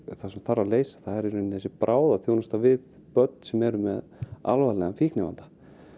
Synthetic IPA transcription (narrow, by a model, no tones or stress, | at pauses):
θasɛmθarːaðleːjsḁθaðɛɾɛɾnθɛsːɪpɾʔaːwðaθjownast̪avɪð | pœt̪nsɛmɛɾʏmɛ̰ða̰lvalɛɣamfiknɛva̰nt̪ḁ